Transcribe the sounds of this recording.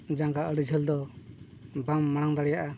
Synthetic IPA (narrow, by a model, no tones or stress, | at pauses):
d͡ʒaŋkaəɽid͡ʒʱɛld̪ɔ | bamːaɽ̃aŋd̪aɽɛjaʔa